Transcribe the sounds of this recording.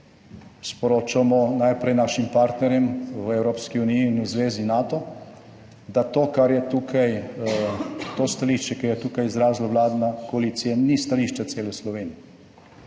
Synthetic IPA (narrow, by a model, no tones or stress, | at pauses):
spɔɾoːt͡ʃamɔnajpɾɛjnaːʃimpaːɾt̪nɛɾjɛmʋɛwɾoːpskiuːnijiːnuzʋeːzinaːt̪ɔ | d̪at̪oːkaɾjɛt̪uːkʰaj | t̪oːst̪aliʃt͡ʃɛkɛjɛt̪uːkajizɾaːzlawlaːd̪nakɔalit̪sijanist̪aliʃt͡ʃat̪seːlɛslɔʋeːnijɛ